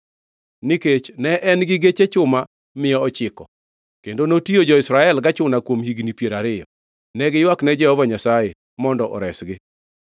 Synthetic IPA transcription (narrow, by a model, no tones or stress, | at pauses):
niket͡ʃnɛʔɛnɡɪɡet͡ʃet͡ʃʊma | mɪjɔɔt͡ʃɪkɔ | kendonotiod͡ʒɔɪsɾaɛlɡat͡ʃʊnakwomhiɡnipjeɾaɾɪjɔ | nɛɡɪjwaknɛd͡ʒɛhɔvɔɲasaje | mɔndɔʔɔ̰ɾɛsɡɪ